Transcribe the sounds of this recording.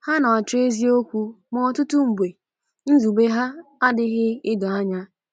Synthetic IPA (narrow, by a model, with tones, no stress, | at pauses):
ha˦nɔ˨a˨t͡ʃe˦zi˦o˦kʷu˦ | mɔ˨tʊ˦tu˦ŋ͡m̩˨bʷe˨ | n̩˦zu˨be˦ɦa˦a˦dɪ˦ɣɪ˦ɪ˦dɔ˨a˦ɲa˦